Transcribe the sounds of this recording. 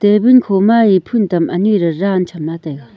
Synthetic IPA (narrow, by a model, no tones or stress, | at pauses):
t̪ebinkʰomajipʰunt̪amʔəɲirərant͡ɕʰamlat̪ak